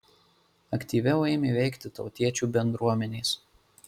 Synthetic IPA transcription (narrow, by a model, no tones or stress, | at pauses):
ɐkʲt̪ʲiːʋʲɛʊɛːmʲeʋʲɛɪkt̪ʲɪt̪ɒʊt̪ʲiɛt͡ʃʲuːbʲɛnd̪ɾuɔmʲɛnʲeːs